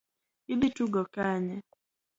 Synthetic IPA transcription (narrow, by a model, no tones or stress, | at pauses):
ibituɡɔkaɲɛ